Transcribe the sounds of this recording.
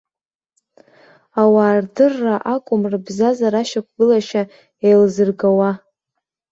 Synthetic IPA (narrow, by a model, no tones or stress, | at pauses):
awaːrdɨrːaʔakʷʼʊmrɨbzazaɾaʃak̚ʷʰɡɨlaʃa | ejlzɨrɡawa